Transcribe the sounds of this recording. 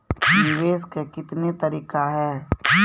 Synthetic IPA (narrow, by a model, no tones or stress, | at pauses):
nɪʋeːskekɪt̪net̪ɐɾiːkaɦɛː